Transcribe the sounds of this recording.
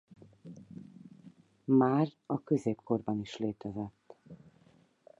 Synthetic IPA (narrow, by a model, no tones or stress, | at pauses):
maːrɒkøzeːpko̞rbɒniʃleːt̪ɛzɛt̪ː